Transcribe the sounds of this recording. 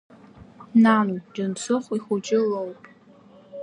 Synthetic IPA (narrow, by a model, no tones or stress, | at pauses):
nanud͡ʒant͡sʰʊχʷiχʊd͡ʒʼɪlowpʼ